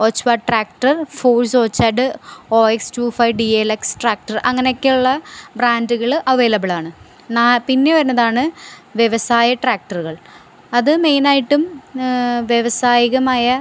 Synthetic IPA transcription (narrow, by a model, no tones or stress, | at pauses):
oːt͡ɕːʋaːʈraːkʈɐrfoːlso̞ːt͡ɕːaːɖɨoːekstuːfɐjɖieleksʈraːk̚ʈɐrʔɐŋːɐneokːeuɭːɐbɾaːnduɣɐɭʔɐʋeːlɐbɐɭaːɳɨ | naːpinːeʋɐɾunːɐðaːɳɨʋjeʋɐsaːjɐʈraːk̚ʈɐruɣɐɭ | ɐðɨme̞jnaːjiʈːum | ʋjeʋɐsaːjiɣɐmaːjɐ